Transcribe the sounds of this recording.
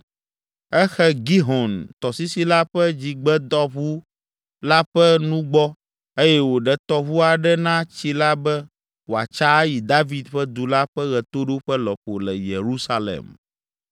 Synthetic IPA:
ɛ˦xɛ˦ɡi˦ɦɔ˨nt̪ɔ˨si˦si˦la˦ɸɛ˦d͡ʑi˨ɡ͡bɛ˦d̪ɔ˦ɸu˦ | la˦ɸɛ˦nũ˦ɡ͡bɔ˦ | e˦jɛ˦wo˨ɖɛ˨t̪ɔ˦βu˦a˨ɖɛ˦nã˦t͡ɕi˦la˦bɛ˦ | wo˨a̰˨t͡ʃa˦ji˨d̪a˦vi˨d̪ɸɛ˦d̪u˨la˦ɸɛ˦ɣɛ˨t̪o˦ɖo˦ɸɛ˦lɔ˨ɸo˨lɛ̰˨je˨ɾu˦sa˦lɛ̰˨m

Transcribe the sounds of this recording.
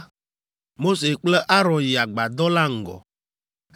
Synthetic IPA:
mo˦se˨k͡plɛ˦ʔa˦ɾɔ̃˨nji˨a˨ɡ͡ba˨d̪ɔ˦la˦ŋ̩˨ɡɔ̰˨

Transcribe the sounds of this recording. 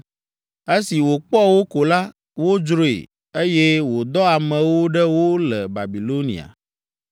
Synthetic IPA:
e˦si˨wo˨k͡pɔ˦wo˦ko˨la˦ | wo˦d͡ʒɾo˦ḛ˨ | e˦jɛ˦wo˨d̪ɔ˦a˨mɛ̃˨wo˦ɖɛ˦wo˦lɛ˨ba˨bi˨lo˦nḭ˨a̰˨

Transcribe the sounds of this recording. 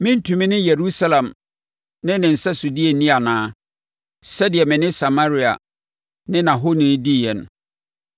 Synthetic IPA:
mɪ̃˦n̩˦tʰũ˨mĩ˦nɪ̃˦je˨ɾu˦sa˦lã˨m | nɪ̃˦nɪ̃˨n̩˨sɛ˦su˨di˦e˨nĩ˦a˨nãː˦ | sɛ˦dɪ˨ɛ˨mɪ̃˨nɪ̃˦sa˨ma˦ɾi˦a̰˨ | nɪ̃˦nã˨ɦo˦nĩ˨˦di˦˨jɛ˨nʊ̰̃˨

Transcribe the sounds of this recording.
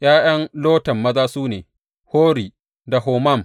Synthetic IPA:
j̰aː˦j̰ɐ˦nloː˦tɐ˨mːɐ˦zaː˦suː˦nḛː˨ | hoː˦ɾiː˨ | da˨ɦoː˨mɐ˦˨m

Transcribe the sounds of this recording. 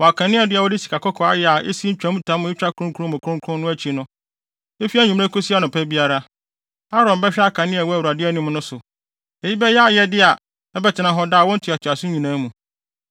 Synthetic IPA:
wɔ˨a˨kʰã˨nɪ̃˦a˨dɪ˦a˨wɔ˦di˦si̥˨kʰa˨kɔ˦kʰɔ˨˦a˦jɛ˨a˨ʔḛ˦si˦ɲ̩˦t͡ɕᶣa˨˦mũ˦tʰã˦mʊ̃˦ɪ˦t͡ɕᶣa˦kʰʊ˦ɾʊ̃˦kʰu˦ɾʊ̃˦mʊ̃˨kʰʊ̃˦ŋkʰʊ̃˦nʊ̃˦æ˦t͡ɕʰi˨nʊ̃˦ | e˦fi˦a˦˨ɲᶣũ˨m̃˦ẽ˦kʰʊ˦si˦a˦nʊ̃˨pʰæ˦bi˦a˦ɾa˦ | a˦ɾɔ̃˨m˨bɛ˦ɕᶣɛ˦a˦kʰã˨nɪ̃˦a˨wɔ˦æ˨wu˨a˨dɪ˦ɛ˦nĩ˦m˦nʊ̃˦sʊ˨ | e˨ji˦bɛ˦jɛ˦a˦jɛ˦dɪ˦a˨ | ɛ˦bɛ˦˨tʰɪ˨nã˨ɦɔ˦daː˦˨wɔ̃˦n̩˦tʰʊ˨a˨tʰa˨sʊ̃˦ɲĩ˨nãː˦mũ˨

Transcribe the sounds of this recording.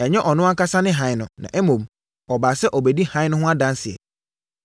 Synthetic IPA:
ɛ˨ɲɛ˦ʔɔ˨nʊ̃˦a˦ka˦sa˦nɪ̃˦ɦã˨˦ɪ˨nʊ̃˨nã̰˨ʔɛ˦mõ˨m | ɔ˨baː˨sɛ˦ʔɔ˨be˨di˦hã˨˦ɪ̃˦nʊ̃˦ɦʊ̃˦a˦dã˦nsɪ˨ɛ̰˨

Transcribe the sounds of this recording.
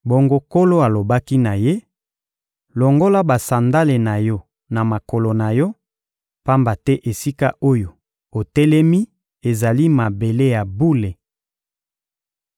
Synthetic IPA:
bo˨ŋɡo˦ko˦lo˦a˨lo˨ba˦ki˦na˨je˦ | lo˨ŋɡo˦la˦ba˨sa˨nda˦le˨na˨jɔ˦ | na˨ma˨ko˨lo˨na˨jɔ˦ | pa˦mba˨tɛ˦ʔe˨si˦ka˦ʔo˦jo˨ | o˨tɛ˦lɛ˦mi˦ | e˨za˨li˦ma˨be˨le˦ja˨bu˦le˨

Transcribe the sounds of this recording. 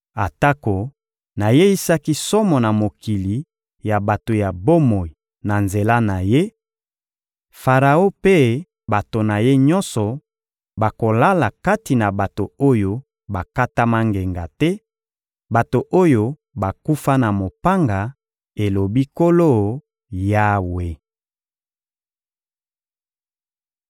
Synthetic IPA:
a˨ta˦ko˨ | na˨je˦i˦sa˦ki˦sɔ˦mɔ˨na˨mo˨ki˨li˨ | ja˨ba˨to˨ja˨bo˦mo˨i˨ | na˨nze˨la˦na˨je˦ | fa˨ʁa˨o˦pe˦ | ba˨to˨na˨je˦ɲɔ̃˦nsɔ˨ | ba˨ko˨la˦la˨ka˦ti˨na˨ba˨to˨o˦jo˦ | ba˨ka˦ta˦ma˦ŋɡe˨ŋɡa˨tɛ˦ | ba˨to˨ʔo˦jo˦ | ba˨ku˦fa˦na˨mo˨pa˦ŋɡa˨ | e˨lo˨bi˦ko˦lo˦ | ja˦we˨

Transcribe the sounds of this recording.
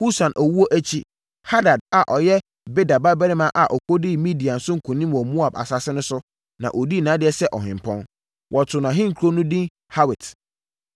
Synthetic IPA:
hu˦sã˨nʔæ˨wu˦o˦ʔæ˦t͡ɕʰi˦ | ha˦da˨d̚a˨ʔɔ˨jɛ˦ | be˦da˨ba˦bɛ˦ɾɪ˦mã˦ʔa˨ʔɔ˨kʰo˦dɪ˦mĩ˦di˨a˨n̩˨sʊ̃˦ŋ̩˨kʰũ˨nĩ˦m˨ɔ˨mũ˦a˨ba̰˨sa˨sɪ˦nʊ̃˦sʊ˦ | nã̰˨ʔo˨di˦˨nã˨˦dɪ˦ɛ˦sɛ˦ʔɔ˨ɦɪ̃˨m˨pʰɔ̰̃˦n | wʔɔ˨tʰʊ˨nã˨ɦɪ̃˦ŋ̩˨kʰɾo˦nʊ̃˦dĩ˦ | ha˦wɪ˨t

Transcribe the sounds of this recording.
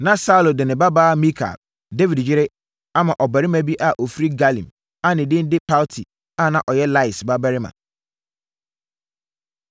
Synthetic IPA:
nã˨sa˦u˦˨lo˨dɪ˨nɪ̃˨ba˦baː˦mĩ˦kʰa̰˨l | de˦vi˨dd͡ʑɪ˦ɾɪ˦ | a˦mã˨ʔɔ˨bæ˨ɾɪ˦mã˦bi˦ʔa˨ʔo˨fi˦ɾi˦ɡa˦lḭ̃˨m | a˦nɪ̃˨dɪ̃˦n˦dɪ˦pʰa˦ltʰi˨ | a˦nã˨ʔɔ˨jɛ˦la˦ɪ˨sba˦bɛ˦ɾɪ˦mã̰˨

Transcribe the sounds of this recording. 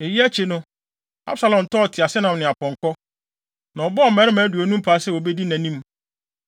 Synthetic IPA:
e˨ji˦æ˦t͡ɕʰe˨nʊ̃˦ | a̰˦bsa˨lɔ̃˨m˨tʰɔ˦˨tʰɪ˨a˨sɪ˦nã˨mnɪ̃˨a˨pɔ̃˨ŋkɔ˦ | nã˨ɔ˨bɔ˦ɔ˨mɛ̃˨˦ɾɪ˦mæ̃ː˨˦du˨ɔ˨nũ˦m˦pʰaː˨˦sɛ˦˨o˨be˦di˦næ̃˨nĩ˦m

